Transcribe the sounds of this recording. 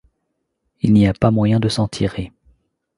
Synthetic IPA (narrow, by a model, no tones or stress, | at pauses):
ilniapamwajɛ̃d̪əsɑ̃t̪ʰiʁe